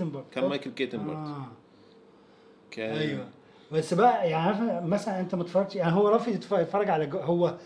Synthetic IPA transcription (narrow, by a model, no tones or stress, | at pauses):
mbɑɾˤd̪ˤkænmæjkelket̪embɑ̰ædː | kæʔæjwæ | bæsːbæʔæjaʕniæfæmæsælænʔent̪æmæt̪fɑrˤɑɡ̪̚ʃjaʕniɦowːæɾˤɑːfit̪ft̪fɑɾˤːɑɡʕalæɡɦowːæ